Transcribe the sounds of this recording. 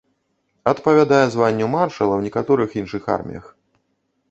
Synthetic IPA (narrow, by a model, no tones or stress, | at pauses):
ɐt̪pɐvʲad̪ajɛzvanʲːumarʂɐlˠɐwnʲɛkat̪ɔɾɨxinʂɨxa̰rmʲḭjɐ̰x